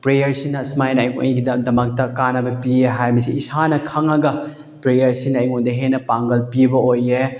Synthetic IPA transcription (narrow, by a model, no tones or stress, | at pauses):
pɾejɐɾsinɐsmajnɐːjŋo̰ɡidɐmdɐmɐk̚tɐkanɐbɐpieɦajmɐsiisanɐkʰɐŋɐɡɐ | pɾejɐɾsinɐːjŋondɐɦenːɐpaŋɡɐlpibɐoje